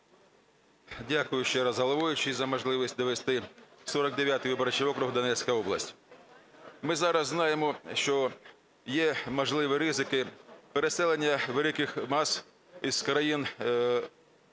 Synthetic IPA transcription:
dʲakʊjʊʃt͡ʃɛɾɐzɦɐlˠɐʋʊjʊt͡ʃɪzɐmɔʒlˠɪʋisʲtʲd̪ɔʋest̪ɪsɔɾɐɡ̚d̪eʋʲjat̪ɪjʋɪbɐɾɐt͡ʃɪʋɔkɾʊɦd̪ɐnɛt͡sʲkɐjɔblˠɐsʲtʲ | mɪzɑɾɐzːnɑjemɔʃt͡ʃɔ | jɛmɔʒlˠɪʋɪɾɪzɪkɪpeɾesɛlˠenʲːɐʋelˠɪkɪxmɑs | iskɾɐjin

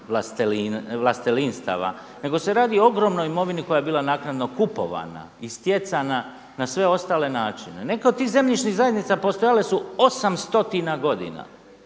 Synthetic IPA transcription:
ʋlast̪elinʋlˠast̪elinst̪a̰ʋa̰ | ne̞ɡo̞se̞ɾaːd̪iooɡɾo̞mnojimo̞ʋiniko̞jajebiːlanaːknad̪no̞kupo̞̰ʋa̰na̰ist̪je̞t̪sana | nasʋe̞o̞st̪aːle̞naːt͡ʃinene̞kaod̪̚t̪iːze̞mʎit͡ʃniɣzajed̪nit̪sapo̞st̪o̞jalesuo̞samst̪o̞t̪inaɡo̞d̪ḭna̰

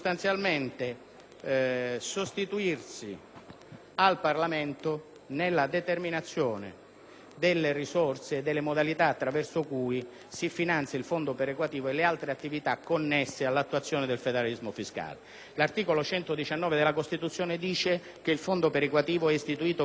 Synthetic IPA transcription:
st̪ant̪sjalment̪e | sost̪it̪uirsi | alparlament̪o | nelːad̪et̪erminat̪sːjɔːnɪ̰ | d̪elːeɪrisɔrseːd̪ːelːemod̪alit̪aːt̪ːɾavɛrsokuːj | sifinant̪sjailfond̪opeɾekwat̪iːvoelɪalt̪ɾeat̪ːivit̪akːonːɛsːealːat̪ːuat̪sːjɔːnɪd̪elfed̪eɾalizmofiska̰ːle | lart̪iːkolot͡ʃɛnt̪od̪it͡ʃanːɔːved̪elakost̪it̪ut̪sːjɔːnɪd̪iːt͡ʃe | k̟eilfond̪opeɾekwat̪iːvoɛist̪it̪uiːt̪o

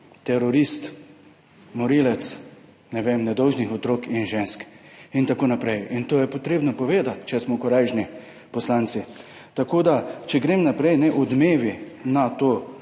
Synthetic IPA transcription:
t̪ɛɾɔɾist̪ | mɔɾiːlɛt̪s | nɛʋemnɛd̪ɔwʒnixɔt̪ɾoːkinʒeːnskint̪akoːnapɾɛjint̪oːjɛpot̪ɾeːbnɔpɔʋeːd̪at̪t͡ʃɛsmɔkɔɾajʒni | pɔslant̪si | t̪akoːd̪at͡ʃɛɡɾeːmnapɾɛjnɛʔud̪meːʋinat̪oː

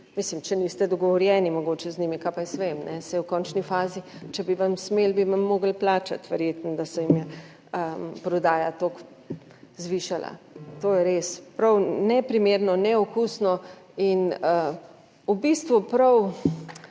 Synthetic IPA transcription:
miːslimt͡ʃɛnist̪ɛd̪ɔɡɔʋɔɾjɛːnimɔɡoːt͡ʃɛznimikapajsʋemnɛsɛjɛwkɔnt͡ʃnifaːzit͡ʃɛbiʋamsmelbimamːoːɡəlplaːt͡ʃa̰t̪ʋɛɾjeːt̪nɔd̪asɛjimjɛ | əpɾɔd̪aːja̰t̪ok | zʋiːʃalʔa̰t̪oːjɛɾespɾɐwnɛpɾimeɾnɔnɛɔkusnɔinə | ubist̪ʋupɾɐw

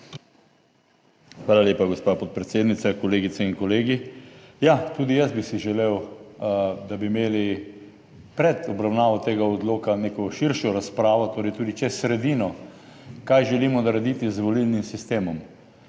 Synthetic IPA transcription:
xʋaːlaljeːpaɡospapɔt̪̚pɾɛt̪seːd̪nit̪sakɔleːɡit̪sɛinkɔleːɡijat̪uːd̪ijəsbisiʒɛlew | d̪abimeːli | pɾɛt̪ɔbɾawnaːʋɔt̪eːɡaɔd̪loːkaneːkɔʃiɾʃɔɾaspɾaːʋɔt̪oːɾɛjt̪uːd̪it͡ʃɛsɾɛd̪iːnɔ | kajʒɛlimɔnaɾɛd̪iːt̪izʋɔlilnimsist̪eːmɔm

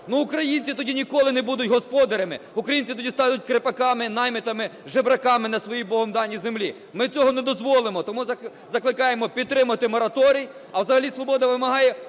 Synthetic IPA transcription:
nuʊkɾɐjinʲt͡sʲit̪ɔdʲinʲikɔlˠɪnɛbud̪ʊtʲɦɔspɔd̪ɐɾɐmɪʊkɾɐjinʲt͡sʲit̪ɔdʲist̪ɑnʊt̚ʲkɾepɐkɑmɪnɑjmɪt̪ɐmɪʒebɾɐkɑmɪnɐsʋɔjibɔɦɔmd̪ɑnʲːizemlʲi | mɪt͡sʲɔɦɔnɛd̪ɔzʋɔlˠɪmɔt̪ɔmuzɐ | zɐklˠɪkɑjemɔpʲid̪̚t̪ːɾɪmɐt̪ɪmɔɾɐt̪ɔɾʲij | ɐwzɐɦɐlʲisʋɔbɔd̪ɐʋɪmɐɦɑjɛ

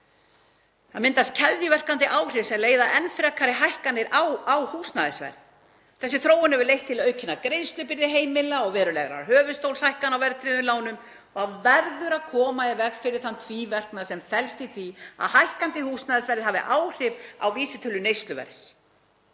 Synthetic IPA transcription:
θaðmɪnt̪ast̪cʰɛðjʏvɛr̥kant̪ɪʔawr̥ɪsɛleːjðaʔɛnfɾɛkʰːaɾɪɦajhkanːɪɾawawhuːsnaðɪsvɛ̰ɾð | θɛsːɪθɾoːwʏnɛvʏɾlejht̪ʰːɪlœːɥcʰɪnːakɾejðst̪lʏpɪɾðɪɦeːjmɪlaɔɣvɛːɾʏlɛɣɾa̰ɾɦœːvʏst̪owlshajhkanawvɛɾðt̪ɾiðʏlaːwnʏm | ɔɣaðvɛɾðʏɾaðkʰɔːmaɪvɛɣfɪɾɪɾ̥θant̪ʰviːvɛr̥knasɛmfɛlst̪iθia̰ðhajhkant̪ɪhuːsnaːðɪsvɛɾðɪɦaːvɪ̰ʔaːwr̥ɪpa̰wviːsɪt̪ʰʏlːʏnejst̪lʏvɛ̰ɾs

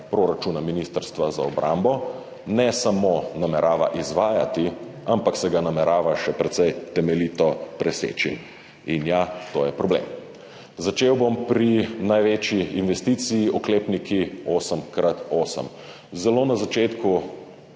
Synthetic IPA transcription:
pɾoːɾat͡ʃunaminist̪əɾst̪ʋazaɔbɾʔa̰mbɔ | nɛsamonamɛɾaːʋa̰ʔizʋaːja̰t̪iampaksɛɡanamɛɾaːʋaʃɛpɾɛt̪sɛjt̪ɛmɛlit̪ɔpɾɛsḛːt͡ʃḭ | injat̪ojɛpɾɔblḛːm | zat͡ʃeːwbompɾinajʋeːt͡ʃiːnʋɛst̪it̪sijiʔɔkleːpnikʰioːsəmkɾat̪oːsə̰m | zɛloːnazat͡ʃeːt̪ku

